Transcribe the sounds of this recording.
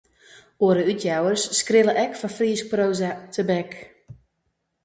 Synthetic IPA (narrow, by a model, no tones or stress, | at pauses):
oəɾəytʰjawərsːkrɪlˠəʔɛkfɔnfriəsproːzətʰəbɛk